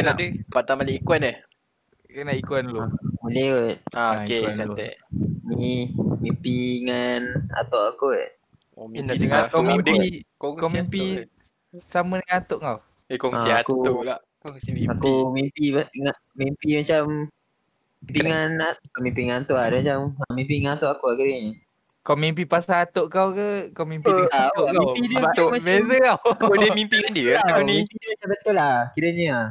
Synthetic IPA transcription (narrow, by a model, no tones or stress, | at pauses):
nadəpat̪amaliʔikuanəh | kənaʔikwanlomulɛt̪̚aoket͡ʃat̪ɛʔmimimpiŋana̰t̪ɔʔaku | mdəŋakmiəkɔkomimpi | samədəŋanat̪ɔʔŋaw | ekɔŋsiatkuulaʔ | kŋiakumimpiaŋa | mimpimat͡ʃam | impiŋanakəmimpiŋant̪uʔadəmat͡ʃamamimpiŋat̪oʔakuakiɾəɲi | kawmimp̬ipasaːt̪oʔkawkəkawmimpiaaidət̪mabezəkaodiəmimpiŋandiəkanĩpimat͡ʃambət̪ʊlakiɾəɲia